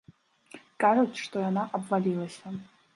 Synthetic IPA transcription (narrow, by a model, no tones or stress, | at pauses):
kʼarotʂtʼojanaʔabvalʲilasʲa